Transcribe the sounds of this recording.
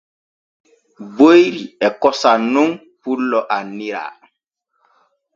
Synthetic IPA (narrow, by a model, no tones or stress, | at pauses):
bojɾiɛkɔsanːuŋ | pulːɔʔanːiɾa̰